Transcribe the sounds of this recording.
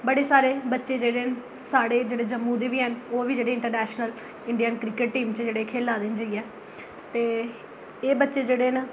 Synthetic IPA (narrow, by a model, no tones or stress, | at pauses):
bəɽeːsaːɾeːbətːʃeːd͡ʒeːɽeːn | saːɽeːd͡ʒeːɽeːd͡ʒəmːuːd̪eːʋiːɦənoːʋiːd͡ʒeːɽeːɪɳʈəɾnɛːʃnəl | ɪɳɖiənkɾɪkəʈʈiːmt͡ʃd͡ʒeːɽekʰeːlaːd̪ɪnd͡ʒəiːɛː | t̪eː | eːbətːʃeːd͡ʒeːɽeːn